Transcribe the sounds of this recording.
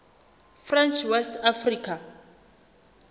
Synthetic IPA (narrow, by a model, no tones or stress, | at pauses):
frɛnt͡ʃʰwɛstʰafriːkʰa